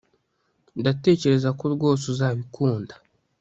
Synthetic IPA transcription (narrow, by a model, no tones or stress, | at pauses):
ndate̞ːce̞ɾe̞zakoɾɡo̞suzaːβikʰuːndḁ